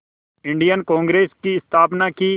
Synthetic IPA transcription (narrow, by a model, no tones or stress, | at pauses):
ɪ̃ɳɖijənkɔ̃ːŋɡɾeːskiɪst̪ʰaːpnaki